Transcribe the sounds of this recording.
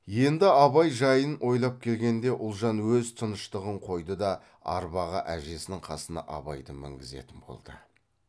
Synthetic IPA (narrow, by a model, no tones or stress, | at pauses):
je̞nd̪ɪɑβɑjʒɑjənʔo̞jlˠɑp̚kʲʰe̞lɡʲe̞nd̪e̞ʔʊlˠʒɑnwɵzt̪ʰʊnəʃt̪əʁəɴqʰo̞jd̪əd̪ɑ | ɑ̰ɾbɑʁə̰ʔæʒe̞sɪnɪŋqʰɑsənɑ̰ʔɑ̰bɑjd̪əmɪ̰ŋɡʲɪze̞̰t̪ɪnbo̞̰lˠd̪̥ə̰